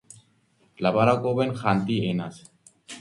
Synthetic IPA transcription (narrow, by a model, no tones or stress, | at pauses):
laβaɾakʼoβenxant̪ienas